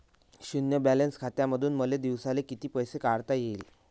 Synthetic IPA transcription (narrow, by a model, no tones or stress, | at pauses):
ɕunjəbælenskʰat̪jaməd̪ʱuːnməled̪iʋsalekit̪iːpəjsekaɾt̪ajel